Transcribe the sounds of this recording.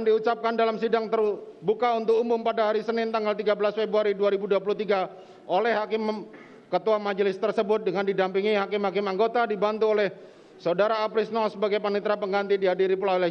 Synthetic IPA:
ndiut͡ʃap̚kandalamsidaŋt̪ər | bukaunt̪ʊk̚umʊmpadaɦaɾisənɪnt̪aŋɡalt̪iɡabəlasfebɾuaɾiduaɾibuduap̬uluht̪iɡa | ʔolɛhɦakɪm | kət̪uamad͡ʒəlɪst̪ərsəbʊt̪̚dəŋandidampiŋiɦakɪmhakɪmaŋɡot̪adibant̪uolɛh | saudaɾaːpɾɪsnɔsəbaɡajpanit̪ɾapəŋɡant̪idiɦadiɾipəlala

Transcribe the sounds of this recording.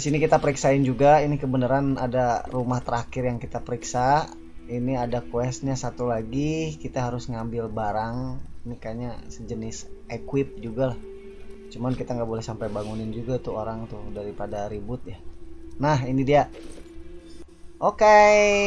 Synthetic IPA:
disinikit̪apəɾiksaɪnd͡ʒuɡainikəbənəɾana̰darumaht̪əɾakɪrjaŋkit̪apəɾiksa | iniadakwɛst̪̚ɲasat̪ulaɡikit̪aɦaɾʊsŋambɪlbaɾaŋinikaɲasəd͡ʒənɪsʔekwɪp̚d͡ʒuɡalah | t͡ʃumankit̪aŋɡaʔbolɛhsampajbaŋunɪnd͡ʒuɡat̪uoɾaŋt̪ʊdaɾipadaɾibʊt̪̚janaɦinidia | ʔoke

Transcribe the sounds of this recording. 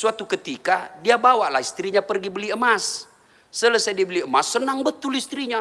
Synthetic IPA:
suat̪ukət̪ikadiabawaʔlahist̪ɾiɲapərɡibəliəmasː | ələsajdibəliəmasːənaŋbət̪ʊlist̪ɾiɲa

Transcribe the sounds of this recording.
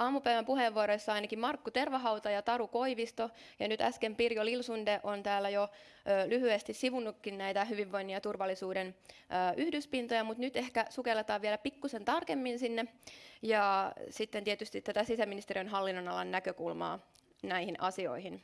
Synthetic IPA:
ɑːmupæjʋæmpuheːʋːuoɾojsːɑɑijnɑkimmɑrkːut̪e̞rʋɑɦɑwt̪ɑjɑt̪ɑɾuko̞iʋist̪o | jɑ̰nyt̪æ̰skempirjolilsundeʔont̪æːlːæjo | øːlyhyest̪issiʋunːukːinnæjt̪æɦyʋiʋːo̞inːiɑt̪urʋɑlːisuːdenʔøːʔyhdyspint̪ojɑmut̪nyt̪e̞hkæsukelːet̪ɑːʋielæpikːusent̪ɑrkemːinsinːejɑsit̪ːent̪iet̪yst̪it̪t̪ːæt̪æsisæminist̪eɾijønɦɑlːinːonɑlɑnːækøkulmɑ̰ː | næihinʔɑsio̞̰ihin

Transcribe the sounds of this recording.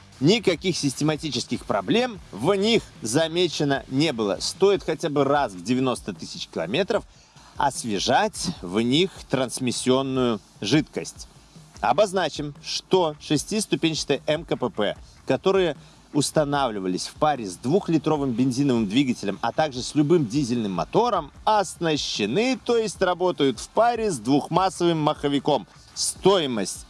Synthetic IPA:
nʲɪkɐkʲixsʲɪsʲtʲɪmɐtʲit͡ɕɪ̥skʲɪxpɾɐblʲe̞mvnʲixzɐmʲet͡ɕɪnənʲe̞bɨlˠə̰st̪o̞ɪt̪xɐtʲabɨrasvdʲɪvʲɪno̞st̪ət̪ɨsʲɪt͡ɕkʲɪlˠɐ̰mʲe̞t̪ɾəf | ɐ̰svʲɪʐatʲvnʲixt̪ɾənsmʲɪsʲːɪo̞nːʊjʊʐɨt̪kəsʲtʲɐbɐznat͡ɕɪmʂt̪o̞ʂɨsʲtʲist̪ʊpʲenʲɕɪ̥t̪ɨjʔɛmkəpɛpɛ̰ | kɐt̪o̞ɾɨjə | ʊst̪ɐnavlʲɪvəlʲɪsʲfpaɾʲɪzʲd̪vuxlʲɪt̪ɾo̞vɨmbʲɪnʲzʲinəvɨmd̪vʲiɡətʲɪlʲəmɐ̰t̪aɡʐɨsʲlʲʊbɨmdʲizʲɪlʲnɨmːɐt̪o̞ɾəmɐsnəɕːɪnɨt̪o̞jɪsʲtʲrɐbo̞t̪əjʊt̪fpaɾʲɪzd̪vuxmasːəvɨmːɐxəvʲɪko̞m | st̪o̞jɪməsʲtʲ

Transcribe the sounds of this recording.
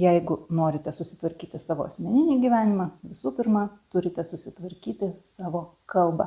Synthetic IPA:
jɛɪɡʊnoːɾʲɪt̪ʲɛsʊsʲɪ̥t̪ʋɐɾʲkʲiːt̪ʲɪsɑːʋo̰ɐsʲmʲɛnʲɪnʲiːɡʲiːʋʲæːnʲɪmɑʋʲɪsuːpʲɪrmɑt̪ʊɾʲɪt̪ʲɛsʊsʲɪt̪ʋɐɾʲkʲiːt̪ʲɪsɑːʋoːkɐlˠbɐ̰

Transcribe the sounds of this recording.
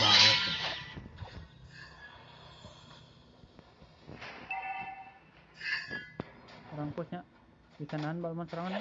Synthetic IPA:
ɾaŋkɔsɲa | bisanaanbalmansəɾaŋan

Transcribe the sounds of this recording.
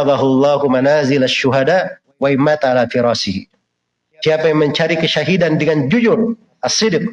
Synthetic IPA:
ðɑɦulːɑːhumanazɪlaʃːuɦadaʔ | waɪmːat̪aalafiɾɑːsɪhi | siapajaŋməɲt͡ʃaɾikəʃaɦidandəŋand͡ʒud͡ʒʊr | ʔasːɪdq̚

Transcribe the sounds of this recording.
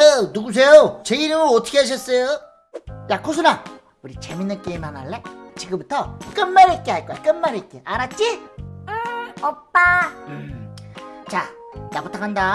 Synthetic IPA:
enuɡus̬ʰe̞jot͡ɕeiɾɯmɯʌtʰʌ̥kʰeɦaɕ̬ʰʌs͈ʌjo | jakʰos̬ʰuna | uɾit͡ɕeminːɯnk͈eimanaɭːet͡ɕiɡɯmbutʰʌk͈ɯnmaɾɯk͈eɦaɭk͈ojak͈ɯnmaɾɯk͈eʔaɾat̚t͡ɕ͈iɯʌp͈aɯ | t͡ɕanaɡotʰakʰanda

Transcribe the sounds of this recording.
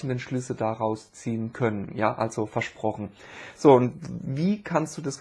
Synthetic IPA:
n̩dənʃlʏslədaʁaʊst͡siːənkʰœnənjaːʔa̰lz̥ofɛɐʃpʁ̥ɔχn̩z̥oːʊntviːkʰanstd̥uːdasɡ

